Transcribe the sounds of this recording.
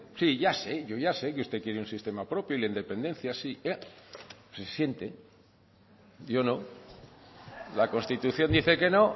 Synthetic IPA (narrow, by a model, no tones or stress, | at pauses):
siʝase̞ʝo̞ʝasekeust̪e̞kjeɾeunsist̪e̞mapɾo̞pjoilaind̪e̞pẽ̞nd̪e̞n̟θjasie | sesje̞nt̪e̞ | jo̞nõ̞ | lako̞nst̪it̪uθjo̞nd̪iθe̞ke̞no̞